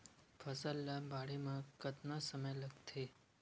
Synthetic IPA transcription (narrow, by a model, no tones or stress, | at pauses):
pʰəsəlːabaɽemãkət̪nasəməjləkt̪ʰe